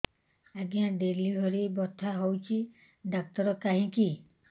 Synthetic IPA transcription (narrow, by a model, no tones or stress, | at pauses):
aɡijãɖeliɦɔɾibɔt̪ʰaɦowt͡ʃʰi | ɖak̚t̪ɔɾɔkaɦĩki